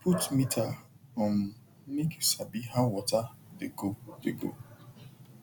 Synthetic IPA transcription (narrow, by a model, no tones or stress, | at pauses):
pʰutmitʰa | ɔn̩ | nike̥sabiɦawɔtadeɡodeɡo̰